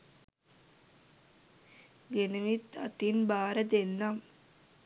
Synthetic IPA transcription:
ɡenəʋit̪ɐ̰t̪inbaːɾɐd̪enːam

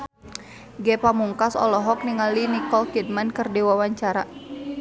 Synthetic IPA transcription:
ɡɛpamuŋkasɔ̰lɔɦɔk̚niŋalinikɔlkid̚mankərdiwawaɲt͡ʃaɾa

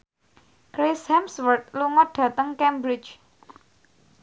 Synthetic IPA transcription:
kɾeshɛmswərt̪̚luŋɔɖ̥ä̤t̪əŋkɛmbɾɪt͡ʃ

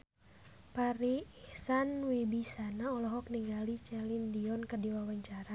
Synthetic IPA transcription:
paɾiihsanwibisanaɔlɔɦɔk̚niŋɡalit͡ʃɛlindiɔnkərdiwawaɲt͡ʃaɾa

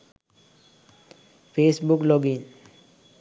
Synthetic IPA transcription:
pʰeːsbuklɔɡin

